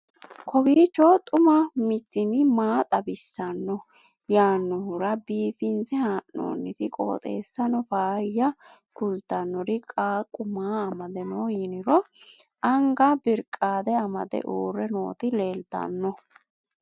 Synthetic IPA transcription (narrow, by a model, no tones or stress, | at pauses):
kʰɔbiːt͡ʃːɔt̪ʼʊmɐmɪt̪ːɪnɪmaːt̪ʼɐbɪsːɐnːɔ | jaːnːɔhʊɾɐbiːfɪnzɛhaːʔno̰ːnːɪt̪ɪkʼo̞̰ːt̪ʼḛːsːɐnɔfaːjːɐ | kʊlt̪ːɐnːɔɾɪkʼaːkʼʊmaːɐmɐd̪ɛnojɪnɪɾɔʔɐŋɡɐbɪɾkʼːaːd̪ɛɐmɐd̪ɛ̰ʔuːɾɛno̰ːt̪ɪle̞ːlt̪ɐ̰nːɔ